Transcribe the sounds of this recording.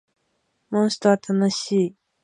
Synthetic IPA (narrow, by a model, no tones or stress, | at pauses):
maŋɕt̪at̪ʰanəɕi